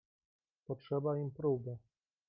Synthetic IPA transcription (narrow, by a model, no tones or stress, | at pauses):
pɔtʂɛbaimpɾubɘ